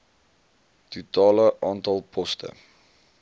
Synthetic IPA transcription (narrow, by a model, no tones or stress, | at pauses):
tutɑːləʔɑːntɑlˠpʰɔstə̰